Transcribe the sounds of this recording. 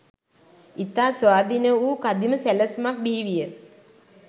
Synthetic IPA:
it̪aːsʋaːd̪ʱinəuːkad̪iməsæləsmak̚biiʋijə

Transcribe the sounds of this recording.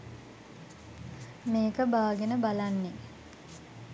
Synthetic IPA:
meːkəbaːɡenəbalanːe

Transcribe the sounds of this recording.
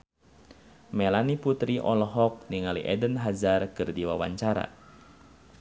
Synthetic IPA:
mɛlaniput̪ɾiʔɔlɔɦɔk̚niŋalḭʔɛdənɦazarkɨrdiwa̰wa̰ɲt͡ʃaɾa̰

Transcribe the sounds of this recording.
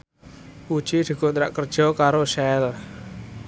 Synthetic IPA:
u̥t͡ʃid̪̥i̤ɡ̥ɔnt̪ɾa̰ʔkərd̥ʒ̥ɔ̤kaɾosɛl

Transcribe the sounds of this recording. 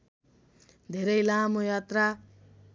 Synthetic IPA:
d̪ʱeɾʌjlamojat̪ra

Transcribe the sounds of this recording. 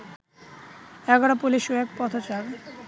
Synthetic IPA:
ɛɡɔɽapuliʃuɛk̚pɔt̪ʰot͡ɕaɾ

